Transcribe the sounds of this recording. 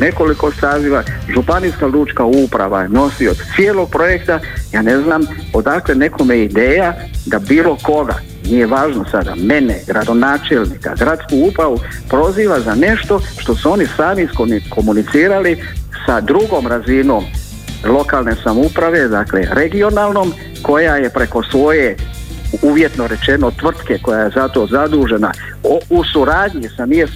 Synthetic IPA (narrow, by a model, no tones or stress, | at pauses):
ne̞ko̞liko̞saːziʋaʒupaniːskaluːt͡ʃkaupɾa̰ʋano̞siod̪t̪sijelo̞ɡ̚pɾo̞je̞kt̪ajaːne̞znaːmo̞d̪akle̞ne̞kʰo̞meid̪e̞ːja | d̪abiːlˠo̞ko̞ɡa̰ | nije̞ʋaːʒnosad̪a̰meneɡɾad̪o̞naːt͡ʃelnika̰ɡɾat̪skuupɾaʋupɾo̞ziːʋazane̞ʃt̪o̞ʃt̪o̞suo̞nisaːmiskonkʰo̞munit̪siːɾali | sad̪ɾuɡo̞ːmɾazino̞ːm | lˠo̞kaːlˠne̞samoupɾaʋe̞d̪akle̞̰ɾe̞ɡio̞naːlˠno̞ːm | ko̞jaje̞pɾeko̞sʋo̞je̞ | uʋje̞t̪no̞ɾe̞t͡ʃe̞no̞t̪ʋr̩t̪ke̞ko̞jaje̞zat̪o̞zad̪uːʒe̞na | ousuɾaːdɲisamies